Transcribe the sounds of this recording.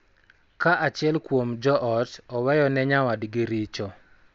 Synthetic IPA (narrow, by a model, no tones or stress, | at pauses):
kaʔat͡ʃɪɛlkwomd͡ʒɔʔɔtɔwɛjɔnɛɲawadɡɪɾit͡ʃɔ